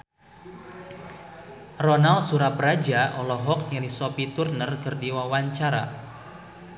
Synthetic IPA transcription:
rɔnalsuɾapəɾad͡ʒaʔɔlɔɦɔk̚jadisɔpit̪urnərkərdiwawaɲt͡ʃaɾa̰

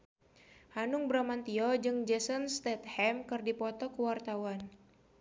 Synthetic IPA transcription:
hanʊŋbɾamant̪iɔd͡ʒɨŋd͡ʒɛsɔnst̪ɛt̪̚hɛmkɨrdipɔt̪ɔkəwart̪awan

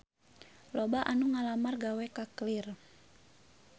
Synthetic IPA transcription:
lɔbaʔanuŋalamarɡawɛkaklir

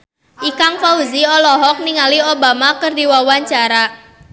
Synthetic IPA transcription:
ʔikaŋfauziɔlɔɦɔk̚niŋaliobamakərdiwawaɲt͡ʃaɾa

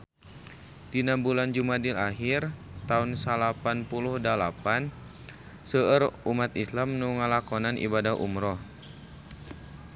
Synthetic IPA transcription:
d̥inambuland͡ʒumadilaɦirt̪aunsalapanpuluhdalapan | səərumat̪islamnuŋəlakɔnanʔḭbadaɦʔṵmɾɔh

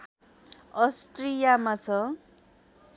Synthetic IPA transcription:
ʌsʈrijamat͡sʰʌ

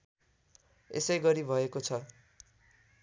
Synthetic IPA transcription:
ḛsʌjɡʌɾibʱʌekot͡sʰʌ

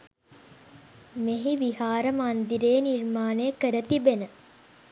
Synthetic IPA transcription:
meɦiʋiɦaːɾəmand̪iɾeːnirmaːnekəɾət̪ibenə

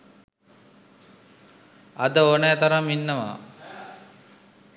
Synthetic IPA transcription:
ɐd̪əoːnɛːt̪ɐɾaminːəʋa̰ː

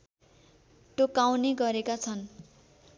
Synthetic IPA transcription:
t̪okawneɡʌɾekat͡sʰʌn

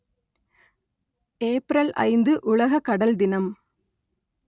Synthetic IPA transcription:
eːpɪɾɐlʔɐ̰ɪnd̪ɯʔʊɭɐɣɐkːɐɽɐld̪ɪnɐm

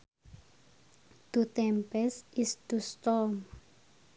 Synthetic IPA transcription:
d̪̥ut̪ɛmpɛsʔist̪ust̪ɔm

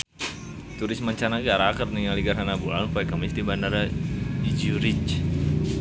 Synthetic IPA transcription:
t̪uɾɪsmaɲt͡ʃanaɡaɾakət̪niŋaliɡaɾanabulanupajkamist̪ibandaɾaid͡ʒiuɾit͡ʃ

